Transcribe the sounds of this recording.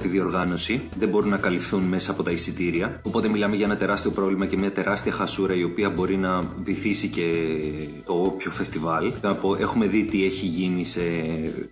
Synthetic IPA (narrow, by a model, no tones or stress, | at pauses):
t̪iðio̞ɾɣɐno̞siðe̞bo̞ɾunɐkɐlifθunme̞sɐːpo̞t̪ɐisit̪iɾiɐo̞po̞t̪emilɐmeʝɐe̞nɐt̪e̞ɾɐst̪io̞pɾo̞vlimɐcemɲɐt̪e̞ɾɐst̪iɐxɐsuɾɐio̞piɐbo̞ɾinɐviθisice̞ | t̪o̞opço̞fe̞st̪ivɐlenɐpo̞ʔe̞xume̞ðit̪ie̞çiʝinise